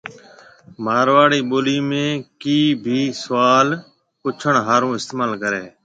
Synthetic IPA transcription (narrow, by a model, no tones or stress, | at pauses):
maːɾʋaːɽiːɓoːliːmẽːkiːbʱiːsəʋaːl | pʊt͡ʃʰəɳɦaːɾõːɪst̪eːmaːlkəɾeː